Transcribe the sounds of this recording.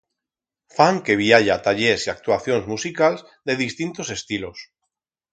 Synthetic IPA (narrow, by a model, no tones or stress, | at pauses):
faŋke̞β̞iaʎat̪aʎesiak̚t̪waθjo̞nzmusikalz | d̪e̞ð̞ist̪int̪o̞se̞st̪ilo̞s